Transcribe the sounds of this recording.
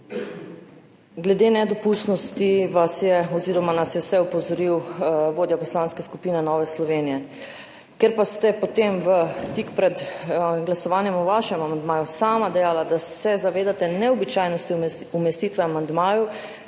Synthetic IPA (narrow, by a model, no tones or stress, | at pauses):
ɡlɛd̪enɛd̪ɔpust̪nɔst̪iʋasjɛɔziːɾɔmanasjɛwsɛupɔzɔɾiwʋoːd̪japɔslaːnskɛskupiːnɛnɔːʋɛslɔʋeːnijɛ | keɾpast̪ɛpot̪emʋət̪ikpɾɛt̪ɡlasɔʋaːnjɛmɔʋaʃɛmamand̪maːjusaːmad̪ɛjalad̪asɛzaʋeːd̪at̪ɛnɛɔbit͡ʃaːjnɔst̪i | umɛst̪it̪ʋɛamand̪maːju